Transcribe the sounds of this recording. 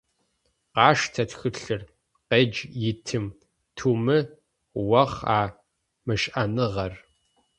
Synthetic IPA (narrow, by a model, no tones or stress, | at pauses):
qɑːʂtʰɐtxɨɬɨr | qeːd͡ʒjɪtʰɨm | tʰuːmɨ | wɐχaː | mɨʃʔɐnɨʁɐr